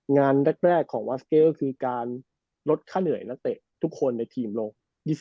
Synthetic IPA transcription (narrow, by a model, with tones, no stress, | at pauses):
ŋaː˧nɾe˥˩k̚ɾɛː˥˩kʰːɔː˩˦ŋwa˦˥skeː˦˥˩wkʰɯː˧kaː˧n | ɾo˦˥t̪̚kʰaː˥˩nɯ˨˩ə˦jna˦˥k̚t̪ɛ̰˨˩t̪ʰu˦˥kʰːo˧nːa˧jt̪ʰiː˧mloː˧ŋ | diː˧˩